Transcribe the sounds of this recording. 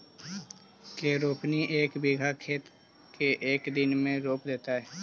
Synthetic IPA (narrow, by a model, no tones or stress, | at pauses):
keːɾoːpniʔeːkbɪɡʱakʰeːt̪ | kʰeʔeːkd̪ɪnmẽɾoːpd̪eːt̪aɦɛː